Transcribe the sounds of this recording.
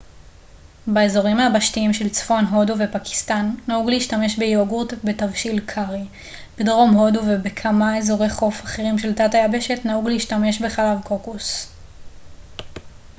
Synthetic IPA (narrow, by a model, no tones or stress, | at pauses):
baezo̞ʁimhabaʃtiimʃe̞lt͡sfo̞nɦo̞duve̞paki̥stanːauɡleiʃtame̞ʃbejɡutbetavʃilkʰaʁi | b̥edʁo̞mɦo̞duvebekʰamaezo̞ʁejχo̞faχeʁimʃe̞ltatajabe̞ʃe̞tnauɡleiʃtame̞ʃbe̞χalavko̞kus